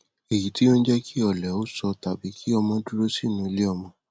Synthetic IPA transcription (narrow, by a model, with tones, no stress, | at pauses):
e˨ji˨ti˦o˦n̩˦d͡ʒɛ˦kʰi˦ɔ˦˨lɛ˨o˦sɔ˧ta˨bi˨˦kʰi˦ɔ˧mɔ̃˧du˦ɾo˦si˦˨nũ˨˦˧le˦ɔ˧mɔ̃˧